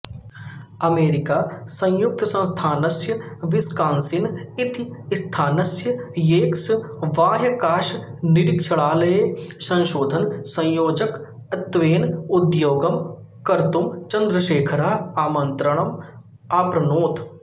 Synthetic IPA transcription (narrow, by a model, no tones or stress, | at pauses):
ɐmeːɾɪkaːsɐ̃jʊk̚t̪sɐ̃st̪ʰaːnɐsjəʋɪskãːnsɪnɪt̪st̪ʰaːnɐsjəjeːksʋaːɦjɐkaːʃnɪɽɪkt͡ʃʰɐɭaːlɐesɐ̃nʃoːd̪ʱənsɐ̃j̃joːd͡ʒək | ɐt̪ʋeːnʊd̪joːɡɐm | kɐɾt̪ʊmt͡ʃɐ̃nd̪ɾəʃeːkʰɾaːɦaːmə̃nt̪ɾəɳ̃ɐm | aːpɾɐnoːt̪